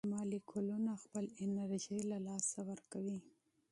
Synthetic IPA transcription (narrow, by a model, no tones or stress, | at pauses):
mɑlikʰʊlunaxpəlɪnaɾʒilalɑsawəɾkawi